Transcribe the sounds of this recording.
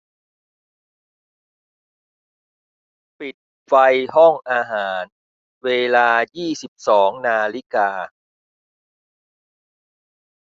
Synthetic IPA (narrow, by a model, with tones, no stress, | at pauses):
pi˨˩t̪̚ | fa˧jɦɔ˥˩ŋʔaː˧ɦaː˩˦n | weː˧laː˧jiː˥˩si˨˩p̚sɔː˩˦ŋnaː˧li˦˥kaː˧